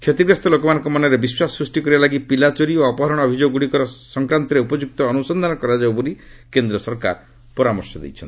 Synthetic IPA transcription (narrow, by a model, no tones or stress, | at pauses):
kʰet̪ibɾast̪ɔlokɔmanɔ̃ŋkɔmanɔɾebiswasɾusʈikɔɾibalaɡipilat͡ʃɔɾioɔpɔɦɔɾɔɽ̃ɔːbʱid͡ʒoɡɔɡuɽikɔɾɔsɔŋkɾant̪ɔɾeupɔd͡ʒuk̚t̪ɔːnusɔnd̪ʱanɔkɔɾad͡ʒaubuɾikend̪ɾɔsɔɾka̰ɾ | pɔɾamɔɾsɔd̪ḛjt͡ʃʰɔn